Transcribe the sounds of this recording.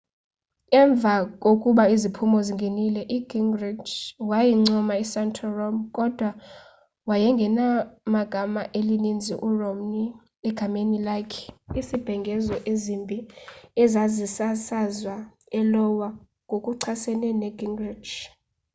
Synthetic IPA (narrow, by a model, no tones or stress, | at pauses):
kɛɱb̪vʱakʼokʼuɓaizipʰumɔziŋɡʱenilɛʔiɡ̥iŋɡrid͡ʒwajiŋ͡ǀɔmaisantʰɔrɔmkʼɔd̥ʱwa | wajɛŋɡʱɛnamaɡ̥ʱamaʔelinind͡zʱiʔurɔmni | ɛɡ̥ʱamenilakʰisib̥ʱɛŋɡʱɛzɔʔezimbʱiɛzazisasazwa | ɛlɔwa | ŋɡʱokʼuǀʰasɛnɛnɛɡiŋɡrid͡ʒ